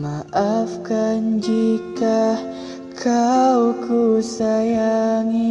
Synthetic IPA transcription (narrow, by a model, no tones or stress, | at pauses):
maʔafkand͡ʒika | kʰawkusajaŋi